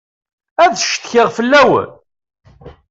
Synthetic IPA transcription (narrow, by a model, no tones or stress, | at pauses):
æðʃt̪çɪʁfəlːæwə̰n